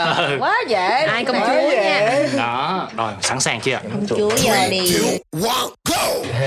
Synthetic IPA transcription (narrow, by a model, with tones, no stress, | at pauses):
ʔə˨˩kwaː˨˦zɛ˨ʔaː˧jkə˧wŋ͡mt͡ɕu˨˦ɲaː˧˩˨ɗɔ˨˦ɗo˨˩jsa̰ː˧˩nsaː˨˩ŋt͡ɕɨ˧˨kə˧wŋ͡mt͡ɕt͡ɕu˧˦ja˨˩ɗi˧˨˩wɔ˧ɡo˧˩